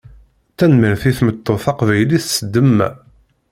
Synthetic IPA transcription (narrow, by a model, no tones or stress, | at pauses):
t̪ːænmiɾθiθmət̪ːoθɑqvæjliθsəd̪ːəmːæ̰